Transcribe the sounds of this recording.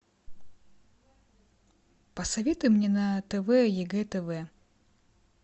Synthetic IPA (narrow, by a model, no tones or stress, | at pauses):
pɐsɐvʲet̪ʊmnʲeɛnɐt̪ɛvɛjɛɡɛt̪ɛvɛ